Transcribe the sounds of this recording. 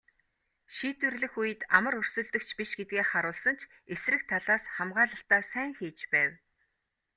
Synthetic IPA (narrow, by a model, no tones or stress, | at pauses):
ʃiːt̪ɘ̆rɮɘ̆xujɘ̆t̪amə̆ɾɵr̥sɵ̆ɮt̪ɵ̆kt͡ɕʰpiʃɡet̪̚ɡeːχaɾʊːɮsə̆n̥t͡ɕʰ | esrɘ̆k̚t̪ʰaɮaːsχamɢaːɮə̆ɬt̪aːsæːŋxiːt͡ɕpæːw